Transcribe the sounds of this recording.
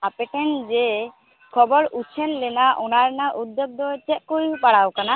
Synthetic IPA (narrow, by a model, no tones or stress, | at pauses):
apɛʈɛnd͡ʒɛ | kʰɔbɔɾut͡ʃʰɛnlɛnaʔɔnaɾnaʔud̪ːɔb̚d̪ɔt͡ʃɛt̪̚koɾipaɽawkana